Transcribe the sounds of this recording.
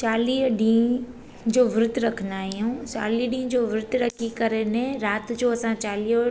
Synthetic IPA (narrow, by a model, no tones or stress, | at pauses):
t͡ɕaːliːɦɗĩː | d͡ʑoːʋɪɾʊt̪ɾɐkʰənaːɦijũːt͡ɕa̰ːliːɦɗĩːd͡ʑoːʋɪɾʊd̪ʱɾɐkʰikɐɾenẽɾaːt̪d͡ʑoːɐsãt͡ɕaːliːɦ